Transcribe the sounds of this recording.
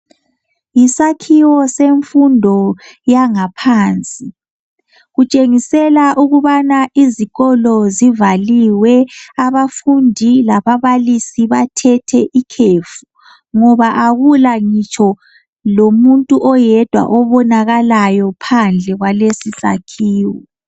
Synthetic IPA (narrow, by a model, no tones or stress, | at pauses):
jisakʰiwɔseɱfundʱɔ | jaŋapʰaːnt͡sʼi | ɣut͡ʃʼeŋisɛlaʔuɣuβanaʔiziɣɔlɔzivaliwɛaβafundʱilaβaβalisiβatʰɛtʰɛʔikʰeːfu | ŋɔβaʔaɣulaŋit͡ʃʰɔ | lomuntʼuʔɔjɛd̥ʱwa̰ʔɔβɔnaɣalajɔpʰand͡ɮʱɛɣwalesisa̰kʰiːwɔ